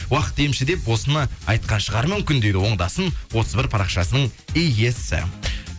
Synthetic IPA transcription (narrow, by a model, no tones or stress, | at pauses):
wɑqə̥t̪̚d̪ejɪmʃɪd̪e̞pwo̞sənɑɑjt̪̚qɑnʃəʁɑɾmʏmkʲɪnd̪e̞ɡʲɪwo̞ɴd̪ɑsənwo̞t̪ʰəzbɪɾpʰɑɾɑqʃɑsənəɴijjesɪ̰